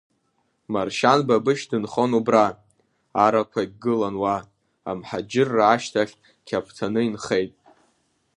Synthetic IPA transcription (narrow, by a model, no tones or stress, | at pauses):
marʃanbabɨʃdɨnχo̞nubra | aɾakʷʰaiɡɨlanwa | a̰mħad͡ʒɪrːaaʃtʰaχʲ | kʲʰapʷʰtʰanɨinχe̞jtʼ